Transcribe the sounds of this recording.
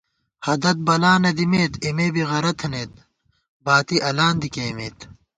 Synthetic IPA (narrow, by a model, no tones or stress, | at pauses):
hɐd̪ɐt̪̚bɐlaːnɐd̪imeːt̪imeːbiɣɐɾɐt̪ʰneːt̪̚ | baːt̪iʔɐlaːnd̪ikeːmḛːt̪